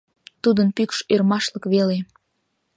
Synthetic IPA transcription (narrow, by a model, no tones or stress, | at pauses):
t̪ud̪ənpykʃørmɑʃləkβele